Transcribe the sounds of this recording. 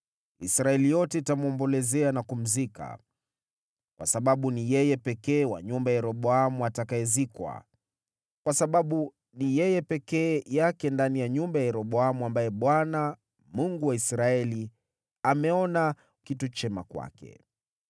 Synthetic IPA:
isɾaɛlijɔtɛitamuɔmbɔlɛzɛanakum̩zika̰ | kwa̰saɓaɓunijɛjɛpɛkɛːwa̰ɲumbajajɛɾɔɓɔamuatakajɛzikwa̰ | kwasaɓaɓu | nijɛjɛpɛkɛːjakɛndanijaɲumbajajɛɾɔɓɔamuambajɛɓwana | muŋɡuwaisɾaɛli | amɛɔna | kitut͡ʃɛma̰kwa̰kɛ̰

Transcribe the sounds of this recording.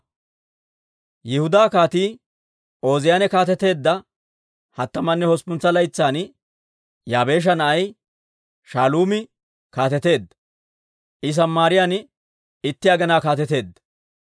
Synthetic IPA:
jɪhʊd̪aːkaːt̪iː | o̞ːzɪjanɛkaːt̪ɛt̪e̞ːd̪ːɐ | hɐt̪ːɐmɐnːɛhɔspʊnt͡sːɐlɐjt͡sːaːn | jaːbe̞ːʃ̬ɐnɐʔɐj | ʃaːluːmɪ | kaːt̪ɛt̪e̞ːd̪ːɐ | ʔɪs̬ɐmːaːɾɪjaːn | ɪt̪ːɪɐɡɛnaːkaːt̪̬ɛt̪e̞ːd̪ːɐ̥

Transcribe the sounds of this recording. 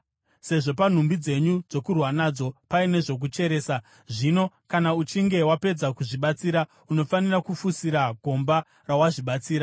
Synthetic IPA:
se̞ʐo̞pan̤umbid͡ze̞ɲud͡zo̞kurwanaːd͡zo̞paine̞ʐo̞k̬ut͡ʃe̞ɾe̞ːsa | ʐino̞ | kanaut͡ʃiŋɡe̞wape̞d͡zakuʐiɓat͡siːɾa | uno̞fanirakufusiɾaɡʱo̞mba | rawaʐiɓat͡siːɾa

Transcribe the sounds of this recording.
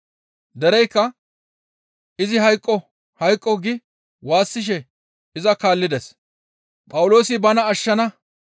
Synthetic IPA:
d̪ɛɾɛjkːɐ | ʔɪzɪɦɐjkʼːɔ | hɐjkʼːɔɡɪ | waːsːɪʃ̬ɛ | ɪzɐkaːlːɪd̪ɛs | pʼɐwʊlo̞ːsɪbɐnɐːʃːɐnɐ

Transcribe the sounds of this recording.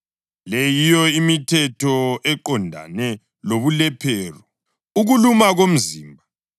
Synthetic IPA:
lejijɔimitʰɛtʰɔɛǃɔndʱa̰nɛ | loβulɛpʰɛːrɔ | uɣulumaɣom̩ziːmbʱa

